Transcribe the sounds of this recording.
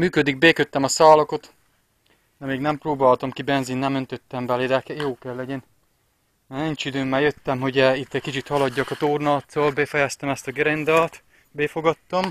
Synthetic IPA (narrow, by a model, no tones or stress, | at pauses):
myːkød̪iɡ̚beːkøt̪ːɛmɒsaːlokot̪ | d̪ɛmeːɡnɛmproːbaːlt̪ɒmkibɛnzinːɛmønt̪øt̪ːɛmbɛled̪ɛkɛjoːkɛlːɛɟɛnː | niɲt͡ʃid̪øːmːaːjøt̪ːɛmɦoɟɛit̪ːɛckit͡ʃit̪hɒlɒɟːɒkɒt̪oːrnɒlt̪sɒlbɛfɛjɛst̪ɛmɛst̪ɒɡɾend̪ɒlt̪ | beːfoɡɒt̪ːɒm